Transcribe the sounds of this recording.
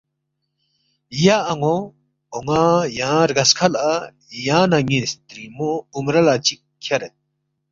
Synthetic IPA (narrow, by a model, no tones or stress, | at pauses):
ijaʔːŋɔ | ɔŋajãɾɡaskʰala | jãnaŋist̪ɾimɔumɾalat͡ʃikʰːjaɾɛ